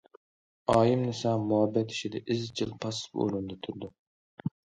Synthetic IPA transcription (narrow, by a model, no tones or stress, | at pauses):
ɑːjimnɪsɑmuɦɛbːɛt̪ʰi̥ʃid̪ɛʔɪzt͡ʃʰilˠpʰɑspo̰ɾund̪ɑt̪ʰuɾd̪u